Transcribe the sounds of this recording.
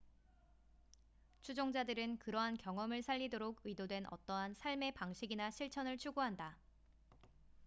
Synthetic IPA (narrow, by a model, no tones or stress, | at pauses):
t͡ɕʰud͡ʑoŋd͡ʑadɯɾɯnkɯɾʌɦankjʌŋʌmɯɭsʰaʎːidoɾoɡɯidodwe̞nʔʌ̰t͈ʌɦansʰaɭme̞paŋɕʰiɡinaɕʰiɭt͡ɕʰʌnɯɭt͡ɕʰuɡoɦanda